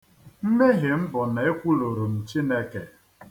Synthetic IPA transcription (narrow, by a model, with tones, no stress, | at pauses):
m̩˦me˦ɣɪ˨m̩˦bʊ˨n˨e˦kʷu˦lo˨ɾo˨n̩˨t͡ʃi˦ne˦ke˨